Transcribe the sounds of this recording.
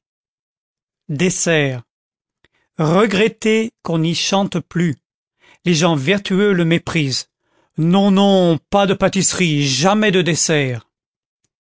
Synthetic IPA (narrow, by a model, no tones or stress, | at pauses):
d̪esɛːʁ | ʁəɡʁɛt̪ekɔ̃niʃɑ̃t̪ply | leʒɑ̃viʁt̪yøləmepχiz | nɔ̃nɔ̃pad̪əpat̪isχiʒamɛd̪əd̪esɛːʁ